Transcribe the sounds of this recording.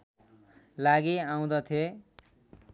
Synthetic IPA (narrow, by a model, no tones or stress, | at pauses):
laɡiaw̃d̪ʌt̪ʰje